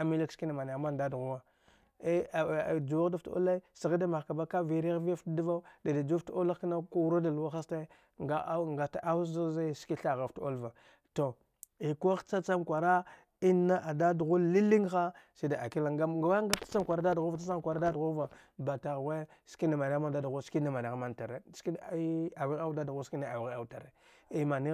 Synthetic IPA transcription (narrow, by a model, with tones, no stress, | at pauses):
a˨mi˦li˦kski˦na˨ma˨n˨a˨ma˦nda˦du˨ɣu˦wa˦ | e˦˨d͡ʒu˨wa˦da˦fto̰˦la˦i˦si˨ɣa˦da˦ma˨xka˨ba˦ka˦vi˨ɾi˦ɣvi˦a˦ftda˦va˦u˦da˨da˨d͡ʒu˦fto˦la˦kna˦ku˦u˦ɾa˦da˨lu˨˦wa˦xa˦sta˦ | ŋɡa˦ŋɡa˨ta˨ʔa˦za˦za˦ski˦ɬa˨ɣa˨fto̰˦lva˨ | to˨ | i˨ko˦xt͡sa˦t͡sa˦mkʷa˨ɾa˦ | i˦nːa˦ʔa˨da˦du˨ɣu˦lːi˦li˦ŋxa˦si˦da˨a˨ki˦la˨ŋa˦ɡa˨wa˦ŋɡa˦tḁ˦t͡sa˦mkʷa˨ɾa˦da˦du˨ɣu˦vt͡sa˦t͡sa˦mkʷa˨ɾa˦da˦du˨ɣu˦va˨ | ba˨ta˨ɣwe˦ | ski˦na˨ma˨na˦ɣma˦nda˦du˨ɣu˦ski˦na˦˨ma˨na˨ɣma˦nta˨ɾe˦si˦a˨wi˦ɣa˦wda˦du˨ɣu˦ski˦na˦a˨wi˨ɣa˦˨u˦ta˨ɾe˨ | i˦ma˨ni˦